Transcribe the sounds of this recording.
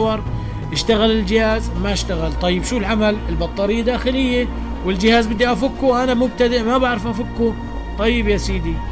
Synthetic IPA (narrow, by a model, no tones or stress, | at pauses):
wɑɾˤ | ʔɪʃt̪aɣalɪld͡ʒɪhaːzmaɪʃt̪aɣalt̪ˤɑjːɪbʃuːlʕamalɪlbɑt̪ˤːɑːɾɪjːad̪aːxɪlɪjːe | wɪld͡ʒɪhaːzbɪd̪ːiʔafʊkːuwʔanamʊb̚t̪ad̪ɪʔmabaʕɾɪfʔafʊkːu | t̪ˤɑjːɪbjasiːd̪i